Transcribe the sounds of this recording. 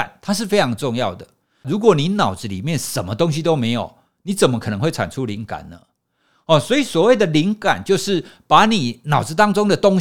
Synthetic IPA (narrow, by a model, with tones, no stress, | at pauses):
a˨˩nt̪ʰa˥ʂ̬ɻ̩˥˩fe˥ɪʈ͡ʂʰɑ˧˥ŋʈ͡ʂo˥˧ŋjɑ˥˩ʊd̪ə˩ | ɻu˨˧˥kwɔ˨˩ni˨˦nɑ˨˩ʊt͡sɹ̩˨˦lḭ˨˩mjɛ˥˨nʂə˨˩nmə˦t̪o˥ŋɕi˧t̪o˦ʊme˧˥ɪjo̰˨˩ʊ | ni˨˦˥t͡sə˨˩mə˨kʰɤ˨nɤ˧˦ŋxwe˥˩ɪʈ͡ʂʰa̰˨˩nʈ͡ʂʰu˦˥li˧˥ŋka̰˨˩nnə˦ | hɔ˥˨˩swɔ˧˥i˨swɔ˨˩we˥˩ɪd̪ə˨li˧˦˥ŋka̰˨˩nt͡ɕjo˥˧ʊʂɻ̩˥˩pa˧˥˦ni˨˩nɑ˨˩ʊt͡s̩˧˩t̪ɑ˥ŋt͡so˥ŋd̪ə˨t̪o˥ŋ